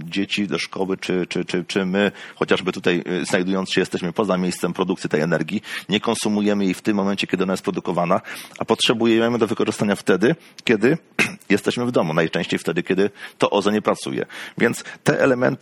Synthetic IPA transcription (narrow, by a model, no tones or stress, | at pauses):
d͡ʑet͡ɕid̪ɔʂkɔwɘt͡ʂɘt͡ʂɘt͡ʂɘt͡ʂɘmɘxɔt͡ɕaʐbɘt̪ut̪ajznajd̪ujɔnt̪ɕɛjɛst̪ɛɕmɘpɔzamʲjejst̪sɛmpɾɔd̪ukt̪sʲit̪ɛjɛnɛɾɡʲiɲɛkɔnsumujɛmɘjejft̪ɘmːɔmɛnt͡ɕɛkʲɛd̪ɘɔnajɛspɾɔd̪ukɔvanaʔapɔtʂɛbujɛɛmɛmɘd̪ɔvɘkɔʐɘst̪aɲaft̪ɛd̪ɘ | kʲɛd̪ɘ | jɛst̪ɛɕmɘvd̪ɔmunajt͡ʂɛ̃ɕt͡ɕejft̪ɛd̪ɘkʲɛd̪ɘt̪ɔʔɔzaɲɛpɾat̪sṵjɛ̰vʲjɛnt̪st̪ɛʔɛlɛmɛ̰nt̪